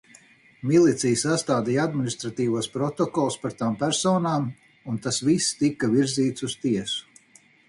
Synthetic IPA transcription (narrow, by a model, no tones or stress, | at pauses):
milˠit̪sijsast̪aːd̪ijad̪minist̪ɾat̪iːvuɔspɾɔt̪ɔkɔlˠspaɾt̪aːmpæɾsɔːnaːm | unt̪asvist̪ikaviɾziːt̪sust̪iɛsu̥